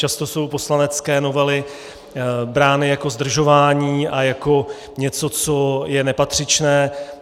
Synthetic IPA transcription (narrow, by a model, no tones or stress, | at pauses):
t͡ʃast̪o̞so̞wpo̞slanɛt͡skɛːno̞vɛlɪ | bɾaːnɪjako̞zd̪r̩ʒo̞vaːɲiːʔajako̞ | ɲɛt͡so̞t͡so̞jɛnɛpat̪r̝̥ɪt͡ʃnɛː